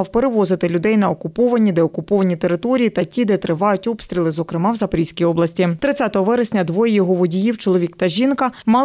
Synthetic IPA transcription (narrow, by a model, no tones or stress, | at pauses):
wpeɾeʋɔzɪt̪ɪlʲʊd̪ɛjnɐɔkʊpɔʋɐnʲid̪ɛɔkʊpɔʋɐnʲit̪eɾɪt̪ɔɾʲijit̪ɐtʲid̪ɛt̪ɾɪʋɑjʊtʲɔpst̪ɾʲilˠɪzɔkɾɪmɑwzɐpɾʲisʲkʲijɔblˠɐsʲtʲit̪ɾɪt̪t͡sʲat̪ɔɦɔʋɛɾɪsʲnʲɐd̪ʋɔjɛjɔɦɔʋɔdʲijiwt͡ʃɔlˠɔʋʲikt̪ɐʒʲinkɐmɑlˠ